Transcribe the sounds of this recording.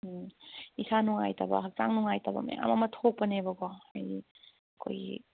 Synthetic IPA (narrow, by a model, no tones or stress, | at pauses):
isanuŋajtabɐ̰ɦak̚t͡ʃaŋnuŋajtabɐ̰mɐja̰ŋa̰mɐmɐtʰok̚pɐnebɐɡɔajdi | ɐkʰo̰jḭ